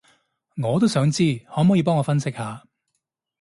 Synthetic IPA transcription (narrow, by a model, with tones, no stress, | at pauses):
ŋɔː˨˧t̪̬o˥wsœː˨˥ŋt͡siː˥hɔː˨˥mɔː˨˥ji˨˧p̬ɔː˥ŋɔː˨˧fɐ˥nsɪ˥k̚haː˨˧